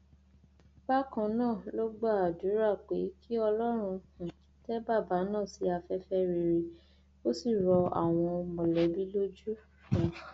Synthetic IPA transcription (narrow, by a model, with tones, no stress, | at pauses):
ba˦kã˧nãː˦˨lo˦ɡ͡ba˦˨a˨du˨˦ɾa˦˨k͡pe˨˦kʰi˦ɔ˧lɔ˦ɾ̃ũ˧kũ˨i˨˦tɛ˦ba˦˨ba˨˦nãː˦˨si˨˧˦a˧fɛ˦fɛ˦ɾi˨ɾi˧ | o˦si˦˨ɾɔ˧a̰˨w̃ɔ̃˧mɔ̃˨lɛ˨˦bi˦lo˦d͡ʒu˦ | ũ˨